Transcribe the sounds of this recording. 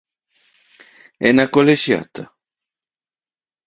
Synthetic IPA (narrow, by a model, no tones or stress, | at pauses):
ɛnakoleʃja̰t̪a